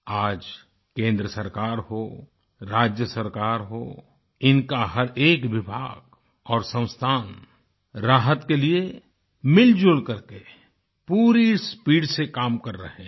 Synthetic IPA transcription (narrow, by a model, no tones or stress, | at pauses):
aːd͡ʒ | kẽːnd̪ɾəsəɾkaːɾɦoː | ɾaːd͡ʒjəsəɾkaːɾɦoː | ɪnkaɦɐɾeːkʋɪbʱaːɡ̥ | ɔːɾsə̃w̃st̪ʰaːn | ɾaːɦət̪kelie | mɪld͡ʒʊlkɐɾke | puːɾispiːɖsekaːmkɐɾːɐ̰ɦẽ